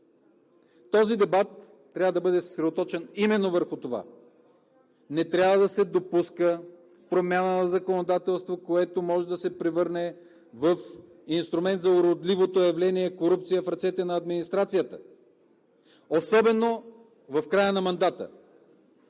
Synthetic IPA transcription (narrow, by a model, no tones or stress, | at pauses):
t̪ɔzid̪ɛbat̪ː | ɾʲavəd̪ɐbɤd̪ɛssɾɛd̪ot̪ɔt͡ʃɛnimɛnːovəɾxʊt̪ova̰ | nɛt̪ɾʲjavəd̪ɐsɛd̪opuskə | pɾomʲjanənɐzɐkonod̪at̪ɛlˠst̪vokoɛt̪omɔʒɛd̪ɐsɛpɾɛvɤɾnɛ | vɐf | inst̪ɾʊmɛnt̪zɐʊɾod̪livot̪ojɐvlɛniɛkoɾup̚t̪sijəfɾɐt̪sɛt̪ɛnɐːd̪minist̪ɾat̪sijət̪ə̥ | osɔbɛno | vɐfkɾajənɐmɐnd̪at̪ə̰